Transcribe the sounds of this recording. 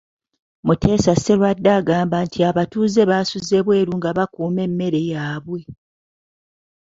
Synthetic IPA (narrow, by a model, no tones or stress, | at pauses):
mutʰe̞ːsaselwadːaːɡaːmbantʰiaβatuːze̞βaːsuze̞βwe̞ːɾuŋɡaβakuːme̞mːe̞ɾe̞jaːβwe̞